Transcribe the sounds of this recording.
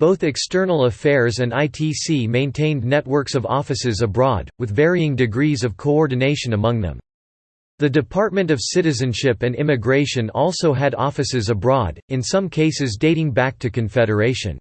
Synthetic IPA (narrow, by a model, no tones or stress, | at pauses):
b̥oʊθɨkstɜ˞nl̩ˠəfɛɹzɨ̃naɪtʰisimẽɪ̃ntʰẽɪ̃nnɛt̚wɜ˞ksʌvɔ̰fɨsɨzəbɹɔd̚wɨðvɛɹiɪ̃ŋdɨɡɹizʌv̥kʰoɔɹdⁿn̩eɪʃɨ̃nəmʌ̃ŋðə̰̃m | ðɨdɨpʰɑɹt̚mɨ̃ntʌv̥sɪɾɨzɨ̃nʃɪpɨ̃nɪ̃mɨɡɹeɪʃɨ̃nɔlˠsoʊɨɾɔ̰fɨsɨzəbɹɔɾɨ̃nsʌ̃mkʰeɪsɨzdeɪɾɪ̃ŋbæk̚tʰɨkɨ̃ɱfɛɾə˞eɪʃɨ̰̃n